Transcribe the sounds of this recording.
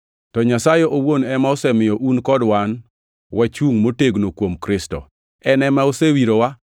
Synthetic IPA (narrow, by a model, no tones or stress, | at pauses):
tɔɲasajeʔowonɛmaosɛmɪjɔʔunkɔdwan | wat͡ʃuŋmoteɡnokwomkɾɪstɔ̰ | ɛnɛmaosewiɾowa